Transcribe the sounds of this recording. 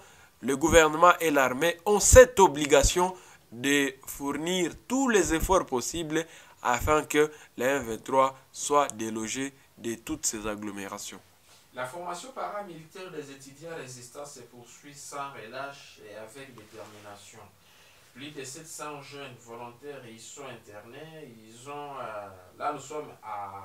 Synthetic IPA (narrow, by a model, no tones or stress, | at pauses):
ləɡuvɛʁnəmɑ̃ʔelaʁmeɔ̃sɛt̪obliɡasjɔ̃ | d̪əfuʁniʁt̪ulɛzefɔʁpɔsibl | a̰fɛ̃kəleɛ̃vɛ̃t̪ʁwaswad̪eloʒe | d̪ət̪ut̪sɛzaɡlomeʁasjɔ̰̃ | lafɔʁmasjɔ̃paʁamilit̪ɛʁd̪ezet̪yd̪jɑ̃ʁezist̪ɑ̃sepuʁsɥisɑ̃ʁəlaʃḛavɛk̚d̪et̪ɛʁminasjɔ̃ | plyd̪əsɛt̪sɑ̃ʒɛnvɔlɔ̃t̪ɛʁilsɔ̃ɛ̃t̪ɛʁneilzɔ̃ | lanusɔma